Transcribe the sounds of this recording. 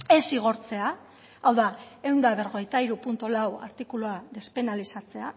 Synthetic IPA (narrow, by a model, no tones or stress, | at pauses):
e̞siɣ̞o̞ɾt͡se̞a | awðae̞wnd̪aβ̞e̞ɾɣo̞ɣejt̪aiɾupunt̪olawa̰ɾt̪ikuluaðe̞spe̞nalisat͡se̞a